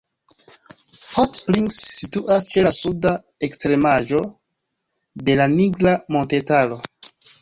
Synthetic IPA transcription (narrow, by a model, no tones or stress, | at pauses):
hotspɾiŋksːituʔast͡ʃe̞lasuda | ekstɾe̞maʒo̞ | de̞laniɡlamo̞nte̞talo̞